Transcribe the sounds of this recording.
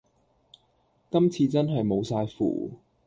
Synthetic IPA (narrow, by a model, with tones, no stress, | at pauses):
kɐ˥mt͡sʰiː˧t͡sɐ˥nɦɐ˨jmo˨˧wsaː˧jfṵː˨˩